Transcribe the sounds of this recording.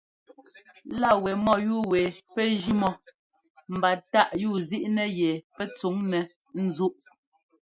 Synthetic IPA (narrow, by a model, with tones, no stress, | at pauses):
la˦˨wɛ˨mɔ˦˨juː˦˨wɛ˨pɛ˦d͡ʒi˦mɔ˦ | m̩˨ba˨ta˦ʔjuː˦˨zi˦ʔnɛ˦jɛ˨pɛ˦t͡su˨˦ŋnɛ˨ | n̩˨zu˦ʔ